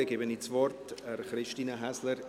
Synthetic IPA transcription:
əɡebənit͡svɔrtɛrχɾɪʃtiːnəɦɛsləɾ

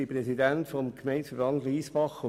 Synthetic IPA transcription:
iprɛsidæntfɔmkʰmeɪnsfəbɑndliːsbɑχʊ

